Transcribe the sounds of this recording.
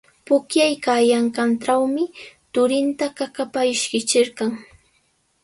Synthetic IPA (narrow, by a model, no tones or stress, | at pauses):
pʊkjajkajaŋkanʈ͡ʂawmɪt̪ʊɾɪnt̪akakapaɪʃkɪt͡ʃɪɾqɑŋ